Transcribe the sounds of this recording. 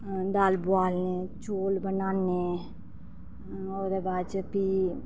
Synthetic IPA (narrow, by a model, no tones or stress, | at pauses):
d̪aːlbʊaːlnet͡ʃoːlbənaːne | oːɾebaːdt͡ʃəpi